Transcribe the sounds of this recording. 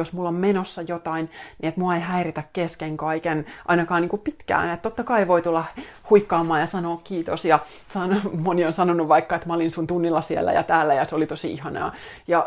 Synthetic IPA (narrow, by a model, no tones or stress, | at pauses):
josmulːommenosːɑjot̪ɑinniet̪muɑeiɦæirit̪ækkeskeŋkɑikenʔɑ̰inɑkɑːniːŋkuppit̪kæ̰ːnet̪t̪ot̪ːɑkɑiʋoit̪ulːɑhuikːɑːmːɑːjɑsɑnoːkkiːt̪osjɑ | sɑnomonionsɑnonuʋʋɑikːɑet̪mæolinsunt̪unːilːɑsiḛlːæ̰jɑ̰t̪æːlːæjɑseolit̪osiihɑnɑ̰ː | jɑ